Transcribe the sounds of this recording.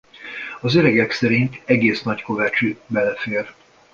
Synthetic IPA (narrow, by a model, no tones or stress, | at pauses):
ɒzøɾɛɡɛksɛɾint̪ɛɡeːsnɒcko̞vɛt͡ʃybɛlɛfeːr